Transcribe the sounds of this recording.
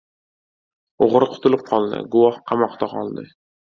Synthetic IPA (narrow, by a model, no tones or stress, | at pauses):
oʁɾqʰʊ̥t̪ʊlɪp̚qʰɒlˠd̪ɪ̰ɡʊwɒhqʰɑmɒqt̪aqɒlˠd̪ɪ